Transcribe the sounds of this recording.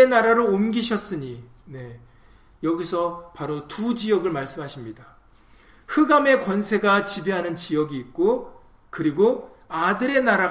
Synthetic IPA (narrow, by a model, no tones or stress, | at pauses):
enaɾaɾoomɡiɕʰʌs͈ɯɲi | ne̞ | jʌɡisʰʌpaɾotud͡ʑijʌɡɯɭmaɭs͈ɯmɦaɕʰimɲida | hɯɡame̞kwʌnsʰe̞ɡat͡ɕibe̞ɦanɯnt͡ɕijʌɡiːt̚k͈o | kɯɾiɡo | adɯɾe̞naɾa